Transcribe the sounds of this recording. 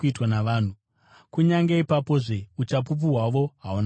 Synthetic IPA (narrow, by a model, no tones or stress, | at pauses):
itwanaʋaːn̤u | kuɲaŋɡeipapo̞ʐe̞ut͡ʃap̬up̬uɦwaʋo̞ɦaun